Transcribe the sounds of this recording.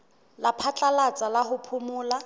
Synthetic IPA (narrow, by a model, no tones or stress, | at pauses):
lapʰat͡ɬʼalat͡sʼalaɦʊpʰʊmʊːla